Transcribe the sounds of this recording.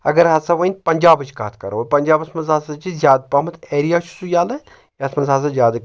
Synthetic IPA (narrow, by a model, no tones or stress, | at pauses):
ɐɡɐɾɦɐsɐʋɐinʲpɐnʲd͡ʒaːbɨt͡ʃka̰ːt̪ʰkɐɾɐpɐnʲd͡ʒaːbɐsmɐzaːsɐt͡ʃʰizjaːd̪̚paːmɐt̪ʰeːɾijaːt͡ʃʰu̥sujaːlɐ | jɐsmɐnzɦaːs̬ɐzʲjaːd̪